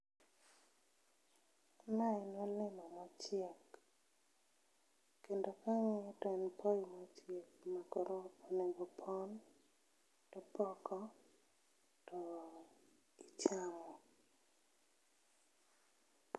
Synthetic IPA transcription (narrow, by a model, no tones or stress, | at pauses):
mainolɪmɔmat͡ʃɪɛk | endokaŋɛtɔɛnpʰɔjimat͡ʃɛkmakɔɾɔoneɡopʰɔn | tɔpɔkɔ | tɔ | it͡ʃamɔ